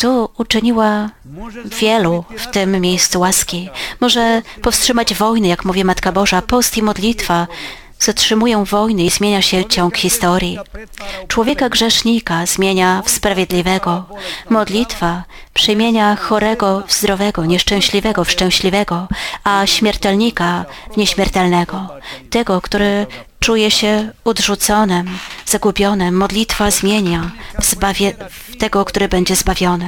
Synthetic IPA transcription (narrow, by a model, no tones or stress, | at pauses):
t̪uːt͡ʂɘɲiwa | vʲjɛluft̪ɘmːʲjejst̪suwaskʲimɔʐɛpɔfstʂɘmad͡ʑvɔjnɘjakmuvʲimat̪kabɔʐapɔst̪imɔd̪lʲit̪fa | z̥atʂɘmujɔ̃w̃vɔjnɘizmʲjeɲaɕɛt͡ɕɔ̃ŋ̃kxʲist̪ɔɾʲji | t͡ʂwɔvʲjɛkaɡʐɛʂɲikazmʲjeɲafspɾavjed̪lʲivɛɡɔmɔd̪lʲit̪fa | pʂɘmʲjeɲaxɔɾɛɡɔzd̪ɾɔvɛɡɔɲɛʂt͡ʂɛ̃w̃ɕlʲivɛɡɔfʂt͡ʂɛ̃w̃ɕlʲivɛɡɔaɕmʲɛɾt̪ɛlɲikavɲɛɕmʲjɛɾt̪ɛlnɛɡɔt̪ɛɡɔkt̪uɾɘt͡ʂujɛɕɛudʐut̪sɔnɘmz̥aɡupʲjɔnɘmːɔd̪lʲit̪fazmʲjeɲabavʲ | t̪ɛɡɔkt̪uɾɘbɛɲd͡ʑɛzbavʲjɔnɘ